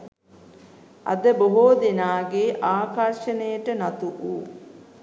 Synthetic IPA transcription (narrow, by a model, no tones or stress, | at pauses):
ɐ̰d̪əboɦoːd̪enaːɡeʔaːkarʃənəjəʈənat̪uʔuː